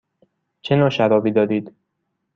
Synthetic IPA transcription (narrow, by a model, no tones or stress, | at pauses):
t͡ʃʰenɒːʃæɾɒːbiːd̪ɒːɾiːd̪̥